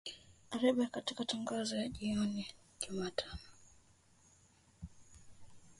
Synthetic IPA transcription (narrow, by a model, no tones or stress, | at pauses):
aɾɛɓakatikataŋɡazɔjaʄiɔni | ʄumatʰanɔ